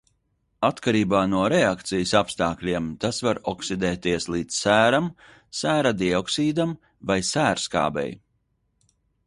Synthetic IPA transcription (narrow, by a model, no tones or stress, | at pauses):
at̪kaɾiːbaːnuɔɾɛakt̪sijɨsapst̪aːklʲiɛmt̪asvaɾɔksid̪ɛːt̪iɛslˠiːd̪ssæːɾam | sæːɾad̪iɔksiːd̪am | vajsæːɾska̰ːbɛ̰j